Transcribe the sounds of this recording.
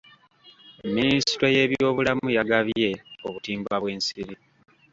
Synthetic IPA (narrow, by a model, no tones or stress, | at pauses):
emːinisi̥te̞je̞ːβjo̞ːβulamujaɡaβje̞oβutiːmbaβwe̞ːnsiɾi